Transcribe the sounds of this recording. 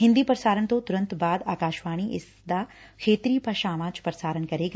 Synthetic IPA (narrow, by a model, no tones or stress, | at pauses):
ɦɪ̃nd̪iːpɾəsaːɾəɳ̃t̪õt̪ʊɾə̃nt̪baːd̪aːkaːʃʋaːɽ̃iʔɪs | d̪akʰeːt̪ɾipɐʃaːmaːt͡ʃpɾəsaːɾənkɐɾeːɡa